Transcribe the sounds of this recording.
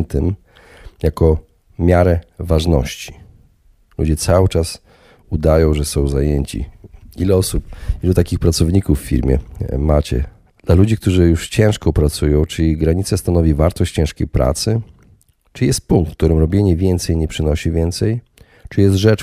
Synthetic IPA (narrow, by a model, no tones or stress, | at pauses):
nt̪ɛm | jakɔ | mʲjaɾɛvaʐnɔ̰ɕt͡ɕi̥ | lṵd͡ʑɛt̪sawɘt͡ʂas | ud̪ajɔ̃w̃ʐɛsɔ̃w̃zajeɲt͡ɕḭilɛɔsupilut̪akʲixpɾat̪sɔvɲikufːʲḭɾmʲjɛ̰mat͡ɕɛ̰ | d̪̥lalud͡ʑik̚t̪uʐɘjuʂt͡ɕɛ̃w̃ʂkɔpɾat̪sujɔ̃w̃t͡ʂɘiɡɾaɲit̪sast̪anɔvʲivaɾt̪ɔɕt͡ɕt͡ɕɛ̃w̃ʂkʲejpɾʔa̰t̪sɘ | t͡ʂɨjɛst̪̚puŋkt̪kt̪uɾɘmɾɔbʲjeɲɛvʲjɛnt̪sɛjɲɛpʂɘnɔɕivʲjɛnt̪sɛj | t͡ʂɨjɛst̪ʐɛt͡ʂ